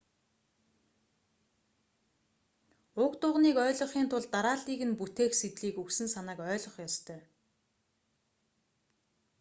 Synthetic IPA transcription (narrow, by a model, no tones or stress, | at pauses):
ʊkt̪ʊʁniːkœːɮɞ̆χiːnt̪ʰʊɮt̪aɾaːɮiːɣɘ̆nput̪eːxset̪ɮiːkuksɘ̆nsanăːkœːɮɞ̆χjɔst̪ʰœː